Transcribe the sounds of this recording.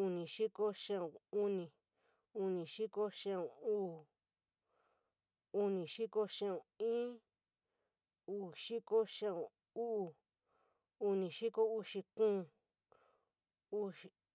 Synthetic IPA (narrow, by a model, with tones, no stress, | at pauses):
u˧nĩ˨ʃi˦ko˦ʃã˦õ˨u˦nĩ˧˨ | u˧nĩ˨ʃi˦ko˦ʃã˦õ˨uː˦˨ | u˧nĩ˨ʃi˦ko˦ʃã˦õ˨ĩ˦ | uː˦˧˨ʃi˦ko˦ʃã˦õ˨ | u˦u˧ | u˧nĩ˨ʃi˦ko˦u˧ʃi˧kũː˦˧˨ | u˦˧